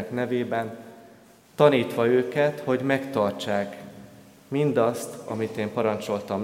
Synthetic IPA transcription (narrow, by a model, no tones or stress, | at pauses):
knɛveːbɛn | t̪ɒniːt̪ʋɒøːkɛt̪ho̞ɟmɛkt̪ɒrt͡ʃaːk | mind̪ɒst̪ɒ̰mit̪eːmpɒɾɒnt͡ʃo̞lt̪ɒm